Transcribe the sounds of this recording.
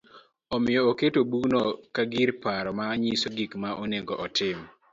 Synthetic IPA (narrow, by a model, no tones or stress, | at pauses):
ɔmɪjɔoketobunɔkaɡiɾpaɾɔmaɲisoɡikmaʔoneŋɡɔʔɔtɪm